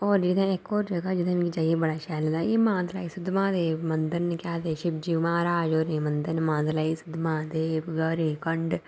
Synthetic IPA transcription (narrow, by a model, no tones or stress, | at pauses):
ɔːɾd͡ʒɪd̪ẽɪkːoːɾd͡ʒəɡaːd͡ʒɪd̪ãkid͡ʒaːiebəɽaːʃɛːld̪aːjeːmãːd̪laːisʊd̪mãːd̪eːmənd̪əɾnkaːd̪eːʃɪbd͡ʒiːmãːɾaːd͡ʒoːɾnẽːmənd̪əɾnmãːzlaːisʊd̪mãːd̪eːɡəɾiːkəɳɖ